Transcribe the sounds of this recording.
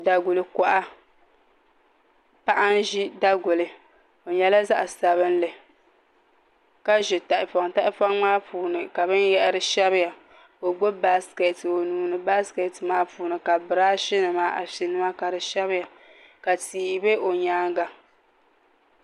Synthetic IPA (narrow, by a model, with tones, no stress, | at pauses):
da˨ɡʊ˨lɨ˨ka˨ʔa˦ | pa˦ʔa˦n˦ʒi˦da˦ɡʊ˨lɨ˨ | o˨ɲɛ˨la˦za˦ʔsa˨βɨ˦n˦lɨ˨ | ka˦ʒɛ˨ta˨ʔɪ˨fa˨ŋta˦ʔɪ˦fa˦ŋmaː˦puː˨nɨ˨ka˨βɨ˦njɛ˦ʔɾɨ˨ʃɛ˦βɨ˦ja˨ | ko˨ɡ͡bo˦ba˦ske˨to˨nuː˨nɨ˨ba˦skɛ˨tɨ˨maː˦puː˨nɨ˨ka˨bɨ˨ɾaː˦ʃɪ˦nɨ˨maː˦ʔa̰˨ʃɪ˨nɨ˦ma˦ka˨ɾɨ˨ʃɛ˦βɪ˦ja˨ | ka˨tiː˨be˦ʔo˨ɲaː˦ŋɡa˨